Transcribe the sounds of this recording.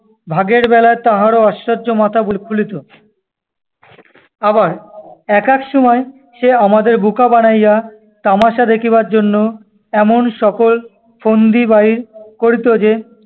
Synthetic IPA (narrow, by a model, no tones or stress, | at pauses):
bʱaɡeɾbɛlaet̪aɦaɾoaʃɾad͡ʑomat̪ʰabulkʰulit̪o | abaɾɛkɛkʃɔmɔe | ʃeamad̪eɾbukabanaja | t̪amaʃad̪ekʰiβaɾd͡ʑonːo | ɛmonʃɔkol | fond̪ibaiɾkoɾit̪od͡ʑe